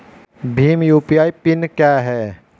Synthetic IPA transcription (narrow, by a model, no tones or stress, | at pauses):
bʱiːmjuːpiaːipɪnkjaːɦɛː